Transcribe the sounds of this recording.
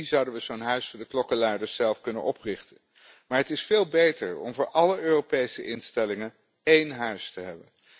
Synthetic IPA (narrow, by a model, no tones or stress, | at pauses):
izʌwdənʋəzoːnɦœɥsfdəklɔkəlaːdəɹsɛlˠfkɵnə̰nɔprɪχtən | maːɹɦətɪsfeːlˠbejtəɹɔ̰mvʊːɹʔɑləøːropejsəʔɪnstɛlɪŋən | ejnɦœɥstəɦɛbən